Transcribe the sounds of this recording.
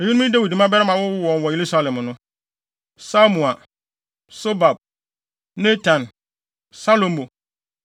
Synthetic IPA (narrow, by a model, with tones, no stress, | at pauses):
e˨ɲi˦nũ˦ĩ˦da˦wi˨dmã˦bɛ˦ɾɪ˦mã˨wʊ˦ʊ˦wɔ̃˨n˨wɔ˨je˨ɾu˦sa˦lɛ̃˨m˨nʊ̃˦ | sa˦mũ˨a˨ | so˦ba˨b̚ | ne˦tʰã˨n | sa˦lõ˨m˦bo˨